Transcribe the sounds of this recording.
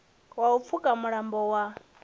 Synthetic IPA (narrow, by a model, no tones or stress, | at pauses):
waup̪fʰukʼamuɺambɔwa